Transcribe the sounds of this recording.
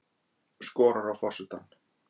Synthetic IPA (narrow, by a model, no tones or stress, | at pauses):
skɔːɾaɾawfɔsʏt̪an